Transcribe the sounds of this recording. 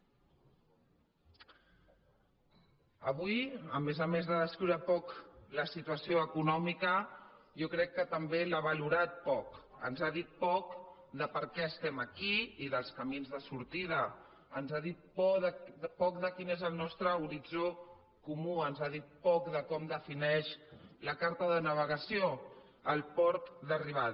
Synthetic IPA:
əβ̞ujəmezəmezðəðəskɾiwɾəpɔkləsit̪uəsioəkunɔmikəjokɾɛkːət̪əmbelaβəluɾat̪̚pɔkə̰nzaðit̪̚pɔk | d̪əpəɾkɛəst̪ɛməkiiðəlˠskəminzðəsuɾt̪ið̞əː | nzaðit̪̚pɔðəpɔk̚ðəkinezəlˠnɔst̪ɾəuɾid͡zo | kumuənzaðit̪̚pɔkðəkɔmd̪əfinɛʃləkaɾt̪əðənəβ̞əɣəsio | əlˠpɔɾk̪d̪əriβ̞að

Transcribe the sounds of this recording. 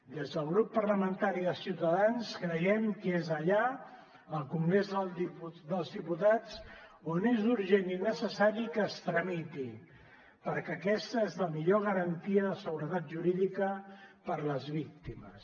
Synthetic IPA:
d̪ezðəlˠɣɾupːəɾləmənt̪aɾiðəsiwt̪əðanskɾəjɛmkezəʎa | əlˠkuŋɡɾezðəiud̪əlˠzðiput̪at͡sonezuɾʒeninəsəsaɾikəːst̪ɾəmit̪i | pəɾkɛəkɛst̪əezləmiʎoɣ̞əɾənt̪iəðəsəɣuɾət̪at̪̚ʒuɾiðikəpəɾləzβik̚t̪iməs

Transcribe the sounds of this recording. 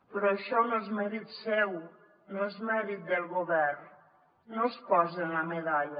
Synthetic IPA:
pɾɔeʃɔnoɛzmɛɾit̪sɛw | noezmɛɾit̪̚d̪elɣoβɛrn | nospɔzenlameðaʎɐ

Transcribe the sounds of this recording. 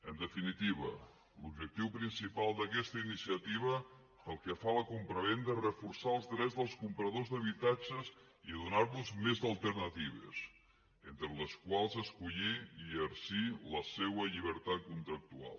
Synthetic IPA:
ənd̪əfinit̪iβ̞ə̰ | lubʒək̚t̪iwpɾinsipalˠd̪əkɛst̪əinisiət̪iβ̞ə | əlˠkəfaləkumpɾəβend̪ərəfuɾsaəlˠzdɾɛzðəlˠskumpɾəðozd̪əβ̞it̪at͡ʃəz | iðunaɾβuzmezəlˠt̪əɾnət̪iβ̞ḛs | ent̪ɾələskwalˠzəskuʎiiəɾsiləsewəʎiβ̞əɾt̪at̪̚kunt̪ɾək̚t̪ua̰lˠ

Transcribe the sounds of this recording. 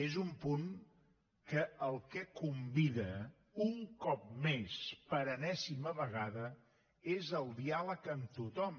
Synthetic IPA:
ezumpuŋ | kəəlˠkɛkumbiðə | uŋkɔp̚mespəɾənɛsiməβəɣ̞aðə | ezəlˠd̪ialəkəmt̪ut̪ɔm

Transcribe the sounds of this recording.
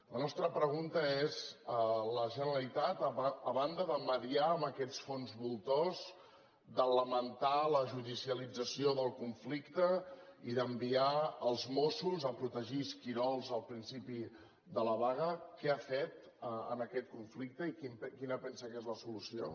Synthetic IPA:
lənɔst̪ɾəpɾəɣ̞unt̪əezələʒənəɾəlit̪at̪əβand̪əðəməðiaəmbəkɛt͡sfonzβulˠt̪oz | d̪ələmənt̪aləʒuðisiəlid͡zəsioðəlˠkuɱflikt̪əiðəmbiaəlˠzmosuzəpɾut̪əʒiskiɾɔlˠzəlˠpɾinsipi | d̪ələβaɣ̞əkɛafet̪ | əə̰nəkɛt̪̚kuɱflik̚t̪əikimpkinəpɛnsəkezləsulusio̰

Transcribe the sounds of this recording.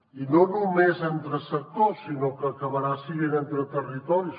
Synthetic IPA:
inonumezənt̪ɾəsək̚t̪osinokəːkəβəɾasiɣenənt̪ɾət̪ərit̪ɔɾis

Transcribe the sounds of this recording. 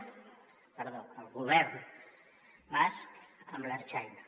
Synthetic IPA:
pəɾðoalɣuβɛɾn | masamblaɾt͡ʃajna

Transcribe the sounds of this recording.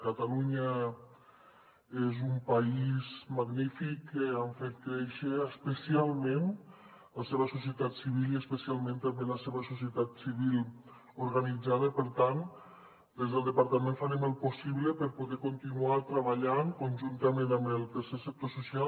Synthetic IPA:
kat̪aluɲa | ezumpaizmaɣnifikːeaɱfet̪̚kɾɛʃəːspəsialˠmẽn | ləseβəsusiət̪at̪siβ̞iliəspəsialˠment̪ambeləseβəsusiət̪at̪siβil | oɾɣanid͡zaðəpəɾt̪an | d̪ezðəlˠd̪əpaɾt̪amẽɱfaneməlˠposiβləpəɾpoðɛkont̪inuat̪ɾəβaʎaŋkonʲʒunt̪əmenambelˠt̪əɾsesək̚t̪osusia

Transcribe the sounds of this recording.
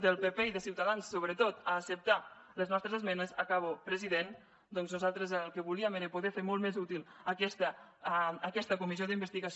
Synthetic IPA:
d̪əlˠpepeiðəsiwt̪aðansːoβɾət̪ot̪əːsəp̚t̪a | ləznɔst̪ɾəzəzmɛnəzakaβopɾəziðen | d̪ɔnznuzalˠt̪ɾəzəlˠkəβuliəmeɾəpuðɛfeɾmɔlˠt̪mezut̪ilˠəkɛst̪əː | kɛst̪əkumizijoðimbəst̪iɣas

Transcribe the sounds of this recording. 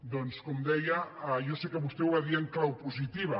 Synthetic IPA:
d̪onskomd̪ɛjaajosekəβust̪ewaðieŋklawpuzit̪iβa

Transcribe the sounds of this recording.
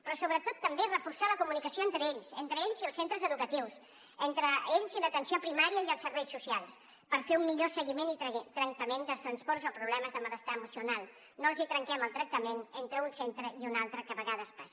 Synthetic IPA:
pɾɔsoβɾət̪ot̪ːəmberəfursaləkumunikəsijoent̪ɾəeʎsent̪ɾəeʎziəlˠsent̪ɾəzəðukət̪iws | ent̪ɾəeʎzilət̪ənsiopɾimaɾiəiəlˠsəɾβɛjsusialˠs | pəɾfeumːiʎosəɣimenit̪ɾəŋt̪əmenzd̪əlst̪ɾənspɔɾzopɾuβlɛməzðəmələst̪aəmusiunalˠ | noəlˠzit̪ɾəŋkɛməlˠt̪ɾək̚t̪əmenent̪ɾəunsent̪ɾəiunalˠt̪ɾəkəβəɣaðəspas

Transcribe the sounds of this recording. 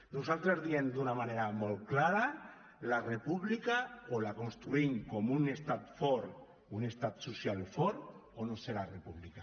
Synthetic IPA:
nusalt̪ɾezðiend̪unamaneɾamolklaɾa | larepuβlikaolakonst̪ɾuiŋkomunest̪at̪foɾ | unest̪at̪susjalfoɾonoseɾarepuβlika

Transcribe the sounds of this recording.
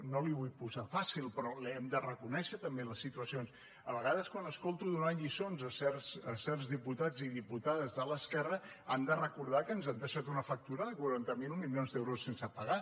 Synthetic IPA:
noliβujpuzafasilˠpɾɔlɛmd̪ərəkunɛʃət̪əmbeləsːit̪uəsions | əβəɣ̞aðəskwanəskolˠt̪uðunaʎisonzəsɛrzəsɛrzðiput̪ad͡ziðiput̪aðəzðələskɛrəand̪ərəkuɾð̞akənzand̪əʃat̪unəfək̚t̪uɾəðəkwuɾant̪əmilˠmilionzd̪ewɾusːensəpəɣa

